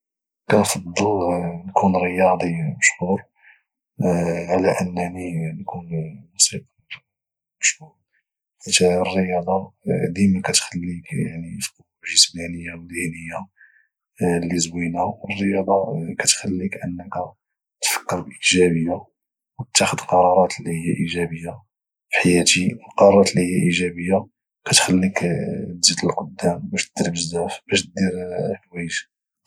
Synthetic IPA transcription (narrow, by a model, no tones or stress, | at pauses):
kænfɑd̪ˤːəlnkʰunɾəjɑd̪ˤiməʃhuɾ | ʕlæʔənːæninkunmusiq | məʃhuɾ | ħit̪ærːəjɑd̪ˤɑd̪imikæt̪xəlːikjaʕnifqubʒəsmænəjːawd̪inəjːa | lːizwinæwərːəjɑd̪ˤɑkæt̪xælːikʕənːəkæ | t̪fə̥kːəɾbəlʔəʒæbəjːa | wt̪ʰːæxəd̪lqɑɾˤɑɾˤɑt̪lːihəjːæʔiʒæbəjːa | fħajæt̪iwəlqɑɾˤɑɾˤɑt̪lihəjːæʔiʒæbəjːa | kæt̪xælːik̪zit̪əlqod̪ːæmbæʃt̪̚d̪̥iɾbəʒzzæfbæʃt̪̚d̪iɾlwæjʒ